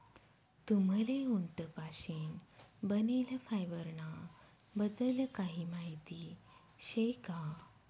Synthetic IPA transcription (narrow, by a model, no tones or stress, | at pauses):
t̪um̤əleuɳʈəpaɕinbəneljafajʋəɾɳa | bəd̪əljakaɦimaɦit̪i | ɕejka